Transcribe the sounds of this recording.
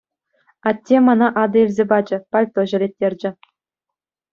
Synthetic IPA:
ɑtʲːemɑnɑʔɑd̪ɤ̆ilʲzʲebɑd͡ʑɘ̆pɑlʲt̪oʑɘ̆lʲet̚ʲːerʲd͡ʑɘ̆

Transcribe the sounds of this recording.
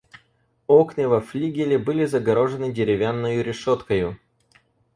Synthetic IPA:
oknɨvɐflʲiɡʲɪlʲɪbɨlʲɪzəɡɐɾo̞ʐɨnɨdʲɪɾʲɪvʲanːəjʊɾʲɪʂo̞t̪kəjʊ

